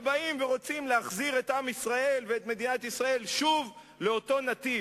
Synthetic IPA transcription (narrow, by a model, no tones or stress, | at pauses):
baimveʁo̞t͡simleaχziʁe̞t̪amisʁae̞lveet̪me̞d̪inat̪isʁae̞lʃuv | leo̞t̪o̞nat̪i